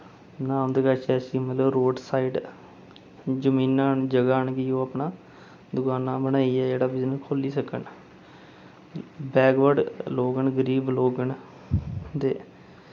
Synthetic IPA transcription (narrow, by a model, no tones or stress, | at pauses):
nãːmd̪əɡaːt͡ʃɛːsiːmət̪ləʋɾoːɖsaːiːɖ | d͡ʒəmĩːnaːnd͡ʒəɡaːnɡiːõːapnaː | d̪ʊkaːnaːbəñaːiːɛːd͡ʒeːɽaːbɪd͡ʒnəkʰoːliːsəkəɳ | bɛːɡʋəɖloːɡəɳɡəɾiːbloːɡəɳ | t̪eː